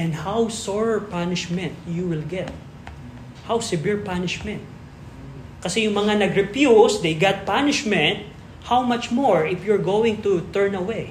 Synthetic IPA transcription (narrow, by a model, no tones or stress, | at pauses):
ɛ̃nd̪hawsɔɹɛɹpanɪʃmɛ̃nt̪juwɪlɡɛt̪̚ | hawsɪbɪɹpanɪʃmɛ̃nt̪̚ | kɐsɛjʊŋmɐŋanɐɡɾɛpjusd̪ejɡat̪̚panɪʃmɛ̃nt̪̚ | hawmat͡ʃmɔɹɪfjʊɹɡowɪ̃ŋt̪ut̪ɛɹnɐwej